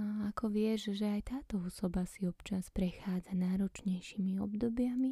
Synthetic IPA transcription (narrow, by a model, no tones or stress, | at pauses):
akʰɔʋɪɛʒʒɛajt̪aːt̪ɔɔsɔbasiɔpt͡ʃaspɾɛxaːd͡zanaːɾɔt͡ʃɲɛjʃiːmiɔ̰bd̪ɔbjami